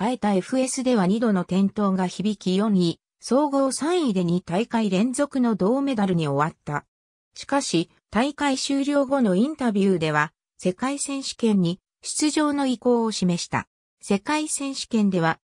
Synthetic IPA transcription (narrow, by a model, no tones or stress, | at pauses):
ae̞t̪ae̞ɸɯ̟e̞sɨd̪e̞β̞aɲ̟id̪o̞no̞t̪ẽ̞nt̪o̞ːɡaçibʲikʲijõ̞ɲi | so̞ːɡo̞ːsãɰ̃id̪e̞ɲ̟it̪aikaiɾẽ̞nzo̞kɯ̟no̞d̪o̞ːme̞d̪aɾɯ̟ɲ̟io̞βat̪ːa | ɕi̥kaɕi | t̪aikaiɕɨːɾʲo̞ːɡo̞no̞ĩnt̪abʲjɯːd̪e̞β̞a | se̞kaisẽ̞ɰ̃ɕi̥kẽ̞ɲ̟ːi | ɕi̥t͡sɨʑo̞ːno̞iko̞ːoɕime̞ɕi̥t̪a̰ | se̞kaisẽ̞ɰ̃ɕi̥kẽ̞nd̪e̞β̞a